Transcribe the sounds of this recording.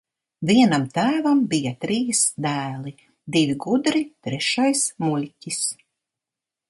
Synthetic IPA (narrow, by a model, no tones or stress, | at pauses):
viɛnamt̪æːvambijat̪ɾiːsd̪æːlˠi | d̪ivʲiɡud̪ɾit̪ɾɛʃajsmulʲcʲis